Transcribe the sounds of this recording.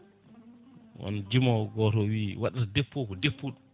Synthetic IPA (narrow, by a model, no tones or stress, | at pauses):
wɔ̰nd͡ʒimawɡɔtɔwiːwaɗatadepːokɔdepʰːuɗum